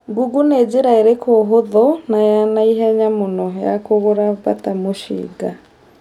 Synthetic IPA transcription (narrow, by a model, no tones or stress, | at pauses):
ɡuɡuneɟeɾaeɾekʰoɦoðɔnajanaiɦɛɲamonɔja̰koɣoɾaβa̰tamoʃḭːɡa